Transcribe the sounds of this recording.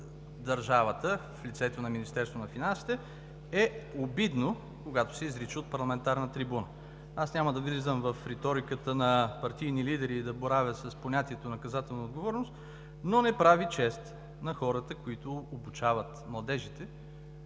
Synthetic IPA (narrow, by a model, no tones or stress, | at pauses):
d̪ɐɾʒavət̪əflʲit̪sɛt̪onɐminist̪ɛɾst̪vonɐfinansi̥t̪ɛ | ɛobid̪no | koɡat̪ʊ̥sɛizɾit͡ʃiot̪̚pɐɾlˠɐmɛnt̪aɾnət̪ɾibunə | asnʲaməd̪ɐɡlizəmvɐfɾɛt̪ɔɾikət̪ənɐpɐɾt̪ijnilid̪ɛɾiːd̪ɐboɾavʲəsəsponʲat̪iɛt̪onɐkɐzat̪ɛlˠnɐod̪ɡovɔɾnʊst̪ | nonɛpɾavit͡ʃɛst̪ | nɐxɔɾət̪əkoit̪ʊːbut͡ʃavət̪mlˠɐd̪ɛʒit̪ɛ